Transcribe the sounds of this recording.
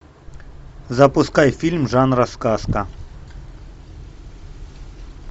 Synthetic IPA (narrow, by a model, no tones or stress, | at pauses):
zɐpʊskajfʲilʲmʐanɾɐskaskɐ